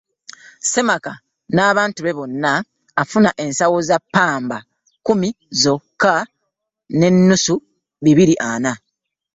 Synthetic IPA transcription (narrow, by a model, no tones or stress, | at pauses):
se̞maka | naːβaːntuβe̞βo̞nːaː | funaʔe̞nsawozapːaːmba | kumi | zo̞kːa | ne̞nːusu | βiβiɾiʔana